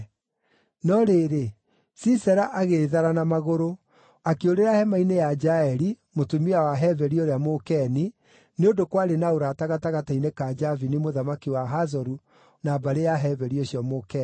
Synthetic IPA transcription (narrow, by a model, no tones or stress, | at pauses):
nɔɾeːɾe | sisɛɾaʔaɣeðaɾanamaɣoɾo | akeoɾeɾahɛmainejad͡ʒaɛɾi | motumiawaɦɛvɛɾioɾeamokɛni | neodokwaɾenaoɾataɣataɣatainekad͡ʒavinimoðamakiwaɦazɔɾu | naːbaɾejaɦɛvɛɾioɕjɔmokɛ